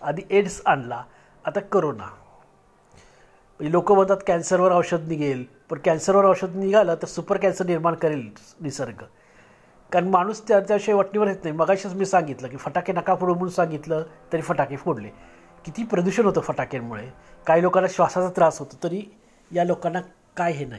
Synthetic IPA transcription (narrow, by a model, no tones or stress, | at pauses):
ad̪ʱiʔeɽsanlaː | t̪akəɾona̰ | pəilokəːb̤ə̃nt̪at̪kænsəɾʋəɾəʋɕəd̪niɡʱel | pəɳkænsəɾʋəɾəʋɕəd̪niɡʱaləːt̪əɾsupəɾkænsəɾniɾmaɳkəɾel | nisəɾɡə | kaɾənimaɽ̃uːst̪jaɾt̪jaʋiɕajʋəʈniːʋəɾɦet̪naɦjməɡaɕat͡smiːsãŋɡit̪ləːkiːfəʈakenakafʰoɽoməunsãŋɡit̪ləːt̪əɾiːfəʈakefoɽlḛ | kit̪ʰiːpɾəd̪uɕənɦot̪əfəʈakenmuɭe | kaɦiːlokalaɕʋasat͡sat̪ɾasɦot̪ot̪əɾi | jalokanːa | kajɦenai